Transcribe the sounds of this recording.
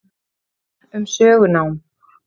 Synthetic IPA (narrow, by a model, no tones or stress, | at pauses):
ʏmsœːɣʏnaːwm